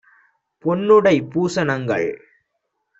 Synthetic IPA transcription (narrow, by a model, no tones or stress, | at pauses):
pɔnːɯɽɐɪpuːsɐnɐŋɡɐ̰ɭ